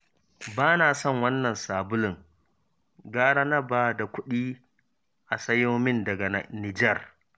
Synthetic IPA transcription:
baː˦naː˨sɔ˦˨ŋwɐ˦nːɐ˨nsaː˨bʊ˦lɪ˨ŋ | ɡaː˦ɽa˦nɐ˦baː˦da˨kʷʊ˦ɗiː˦ | ʔa˨sɐ˦joː˦mɪ˦ndɐ˨ɡa˨na̰˨nɪ˨d͡ʒɛ˦˨r

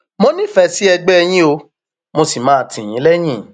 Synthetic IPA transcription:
mo˦nĩ˦fɛ˧˨si˨˦ɛ˧ɡ͡bɛ˦ɛ˧j̃ĩ˦o˧ | mo˧si˨mãː˨˦˨tĩ˨j̃ĩ˨˦lɛ˦j̃ĩ˦˨

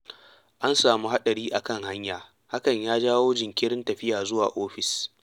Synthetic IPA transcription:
ʔa˦nsaː˨mu˦ha˦ɗɐ˨ɽiː˦ʔa˨kɐ˦˨ŋha˦ɲjaː˨ | ha˦kɐ˨ɲjaː˦d͡ʒaː˦woː˦d͡ʒɪ˨ŋkʲɪ˦ɽɪ˦ntɐ˨ɸɪ˦jaː˨zʊ˦waː˨ʔoː˦ɸɪ˨s

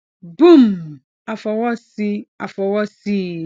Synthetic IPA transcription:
bu˦m | a˨fɔ˨wɔ˦si˦a˨fɔ˨wɔ˦si˦

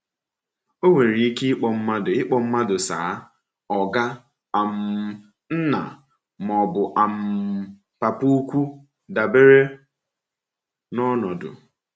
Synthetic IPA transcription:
o˦ŋʷe˨ɾi˨i˦ke˦ɪ˦k͡pɔ˨m̩˦ma˦dʊ˨ɪ˦k͡pɔ˨m̩˦ma˦dʊ˨sa̰ː˨˦ | ɔ˨ɡa˦ | a˨m̩˨ | n̩˦na̰˨ | m˨ɔ˨bʊ˨ʔa˨m̩˨ | pa˨pu˦kʷu˦ | da˨be˦ɾe˦ | nɔ˦nɔ˨dʊ̰˨

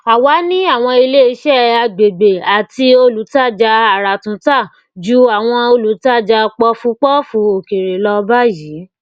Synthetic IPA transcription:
a˨wa˨˦nĩ˦a˦˨w̃ɔ̃˧i˧le˦i˧˦ʃɛ˦˨a˧ɡ͡be˨be˨a˨ti˧o˧lu˨˦ta˦˨d͡ʒa˧a˨ɾa˨tũ˨˦ta˦˨ | d͡ʒu˦a˨w̃ɔ̃˧o˧lu˨˦ta˦˨d͡ʒa˧k͡pɔ˧fũ˧k͡pɔ˦fũ˧o˨ke˨ɾe˨lɔ˧ba˦jiː˨˦

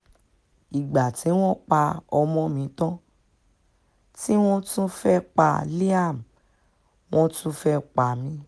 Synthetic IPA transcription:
i˨ɡ͡ba˨ti˨˦w̃ɔ̃˦k͡pa˧ɔ˧mɔ̃˧mĩ˨˦tã˦ | ti˦w̃ɔ̃˦tũ˦fɛ˦k͡pa̰˧li˦a˦˨m | w̃ɔ̃˦tũ˦fɛ˦k͡pa˧mĩ˨˦

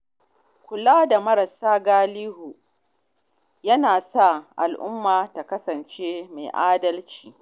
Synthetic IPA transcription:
kʷʊ˨laː˦da˨mɐ˦ɾɐ˨saː˦ɡaː˦liː˦hu˨ | jɐ˦naː˨sa˦˨ʔa̰˨lʔʊ˦mːaː˨ta˨kɐ˦sɐ˨nt͡ʃeː˦ma̰˨ʔaː˦dɐ˦lt͡ʃiː˨

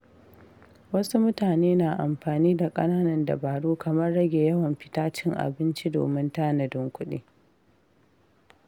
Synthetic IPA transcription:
wɐ˦su˦mʊ˦taː˨neː˦naː˨ʔa˨mɸaː˨niː˦da˨kʼɐ˦naː˦nɐ˨ndɐ̰˨baː˨ɽuː˦kʰɐ˨mɐ˦rːɐ˦ɡʲeː˨jɐ˦wɐ˨mɸɪ̥˦taː˦t͡ʃɪ˦ŋʔa̰˨bɪ˦nt͡ʃi˦do̰ː˨mɪ˦ntaː˦nɐ˨dɪ˦ŋkʷʊ˦ɗḭː˦

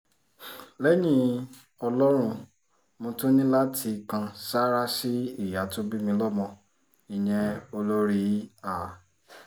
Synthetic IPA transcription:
lɛ˦jĩ˦ | ɔ˧lɔ˦ɾ̃ũ˧ | mõ˧to˦nĩ˦la˦ti˧kã˧sa˦ɾa˦si˦i˦˨ja˨˦to˦bi˦mĩ˧lɔ˦mɔ̃˧ | i˨j̃ɛ̃˨o˧lo˦ɾi˦a˦˨

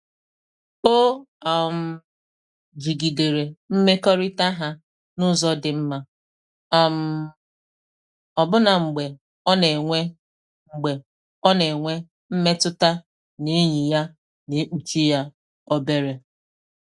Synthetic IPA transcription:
k͡po˦a˨m̩˨ | d͡ʒi˨ɡi˨de˨ɾe˨m̩˦me˦kɔ˦ɾɪ˦ta˦ɦa˦ | nʊ˦zɔ˦dɪ˨m̩˦ma˦ | a˦m̩˨ | ɔ˨bʊ˦na˨ŋ͡m̩˨ɡ͡be˨ | ɔ˦ne˨ŋʷe˦ | ŋ͡m̩˨ɡ͡be˨ | ɔ˦ne˨ŋʷe˦ | m̩˦me˦tʊ˦ta˦ | ni˦ɲi˨ja˦ | ne˨˦k͡pu˨t͡ʃi˦ja˦ | ɔ˦be˦ɾe˨

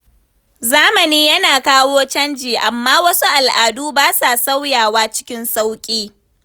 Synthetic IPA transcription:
zaː˦mɐ˨niː˦jɐ˦naː˨kaː˦woː˦t͡ʃɐ˦nd͡ʒiː˨ʔa˨mːaː˦wɐ˦su˦ʔa˨lʔaː˨duː˦baː˦sa˨sa˦wjaː˨waː˦t͡ʃɪ̥˦kʲɪ˦nsa˦wkʲʼiː˦

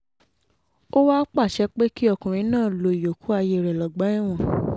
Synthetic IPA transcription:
o˦wa˦k͡pa˦˨ʃɛ˧˦k͡pe˦ki˦ɔ˦˧kũ˨ɾ̃ĩ˧˦nãː˦˨lo˧˦i˨jo˨kʰu˨˦a˧je˧˨ɾɛ˨lɔ˨ɡ͡ba˨˦ĩ˦˨w̃ɔ̃˨

